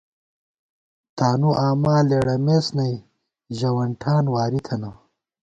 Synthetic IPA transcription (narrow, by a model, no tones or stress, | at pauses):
t̪aːnuʔaːmaːleːɽɐmeːsnɐj | ʑɐwɐɳʈʰaːnwaːɾit̪ʰɐnɐ